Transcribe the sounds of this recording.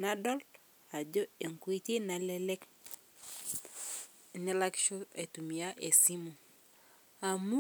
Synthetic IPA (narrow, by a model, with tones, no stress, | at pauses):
na˦dɔ˦lt | a˨d͡ʒo˦e˨ŋkwi˦ti˦na˨lɛ˦lɛ˦k | ni˦la˦kʃo˦e˨tu˨mi˨a˦ʔe˨si˦mu˨ | a˨mu˦